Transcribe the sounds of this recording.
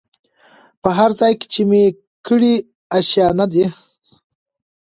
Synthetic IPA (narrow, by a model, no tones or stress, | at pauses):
pəɦaɾzɑjke̥t͡ʃeme | kəɽi | aʃjɑnad̪i